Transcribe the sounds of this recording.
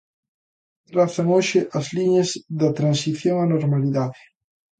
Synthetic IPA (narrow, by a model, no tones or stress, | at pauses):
t̪ɾaθɐŋoʃɪʔɐzliɲɐzðɐt̪ɾansiθjoŋɐnoɾmaliðaðɪ